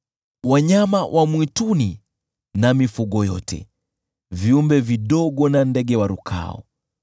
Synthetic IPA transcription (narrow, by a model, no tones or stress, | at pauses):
waɲamawʔamwituni | namifuɠɔjɔ̰tʰɛ̰ | viumbɛviɗɔɠɔnandɛɡɛwaɾukʰa̰ɔ̰